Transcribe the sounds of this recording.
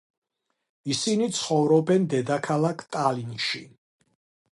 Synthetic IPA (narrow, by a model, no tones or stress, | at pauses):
isinit̪sʰχɔvɾɔbɛnd̪ɛd̪akʰalˠakʰt̪ʼalinʃi